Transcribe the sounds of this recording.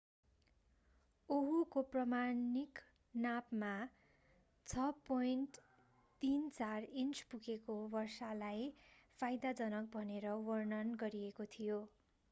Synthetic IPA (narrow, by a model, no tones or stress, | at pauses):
oɦukoprʌmanik | napma | t͡sʰʌpojnʈ | t̪int͡sarint͡spukekobʌrsalajpʰajd̪ad͡zʌnʌk̚bʱʌneɾʌwʌrnʌnɡʌɾiekot̪ʰijo